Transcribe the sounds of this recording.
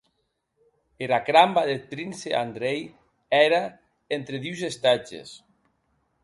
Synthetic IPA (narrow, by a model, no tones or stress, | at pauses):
eɾakɾambaðetɾinseʔa̰nd̪ɾej | ɛɾa | ent̪ɾeðiwzest̪ad͡ʒḛs